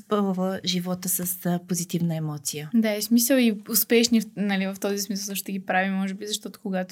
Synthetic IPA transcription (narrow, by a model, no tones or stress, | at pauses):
spəvˠvəʒivɔt̪əsəspozit̪ivnəɛmɔt̪sijəd̪aɛsmisəliʊspɛʃnifnɐlivəft̪ɔzismisəlˠd̪oʃt̪ɛɡipɾavimɔʒɛbizɐʃt̪ɔt̪ʊ̥koɡat̪